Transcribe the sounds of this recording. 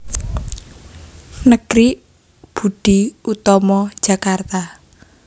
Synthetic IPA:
nəɡ̥ɾi | b̥ṳɖ̪̥iut̪ɔmɔd̥ʒ̥ä̤kart̪a

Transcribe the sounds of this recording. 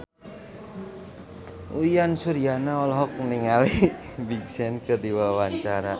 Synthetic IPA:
ujansurjanaɔlɔɦɔk̚niŋawibiɡsɛnkədiwawaɲt͡ʃaɾa

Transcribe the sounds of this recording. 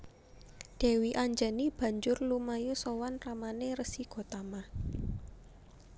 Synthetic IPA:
d̪̥ɛ̤wiʔaɲd͡ʒanib̥ä̤ɲd͡ʒʊrlumajusowanramaneɾəsiɡ̥o̤t̪ama

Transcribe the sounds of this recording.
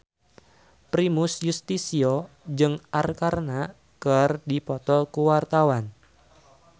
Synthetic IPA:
pɾimʊsjust̪isio | d͡ʒɨŋʔarkarna | kərdipɔt̪ɔlkuwart̪awan

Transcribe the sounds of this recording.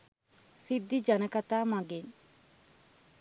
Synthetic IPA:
sid̪ːid͡ʒanəkat̪aːmaɡeɲ

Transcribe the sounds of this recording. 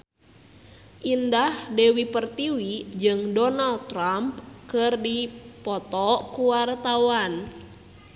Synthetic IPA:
ʔindahdɛwipərt̪iwid͡ʒɨŋdɔnal̚t̪ɾampkɨrdipɔt̪ɔkuwart̪awan

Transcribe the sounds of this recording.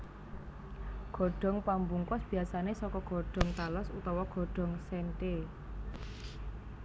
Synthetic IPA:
ɡ̥ɔ̤ɖ̥ɔ̤ŋpambuŋkʊsb̥i̤asanesɔkɔɡ̥ɔ̤ɖ̥ɔ̤ŋt̪alɔsut̪ɔwɔɡ̥ɔ̤ɖ̥ɔ̤ŋsɛnʈe

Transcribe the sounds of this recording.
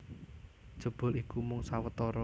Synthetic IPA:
d̥ʒ̥ə̤b̥ʊ̤likumʊŋsawət̪ɔɾɔ

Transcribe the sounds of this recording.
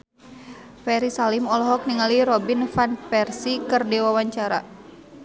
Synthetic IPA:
fɛɾisalɪmɔlɔɦɔk̚niŋaliɾɔbinfanpɛrsikɨrdewawaɲt͡ʃaɾa̰

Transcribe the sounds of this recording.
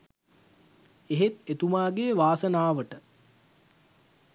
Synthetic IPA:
eɦet̪et̪umaːɡeːʋaːsənaːʋəʈə

